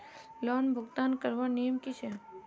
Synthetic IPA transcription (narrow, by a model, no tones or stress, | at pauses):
lɔːnbʱʊɡt̪aːnkəɾʋanijəmkit͡ʃʰe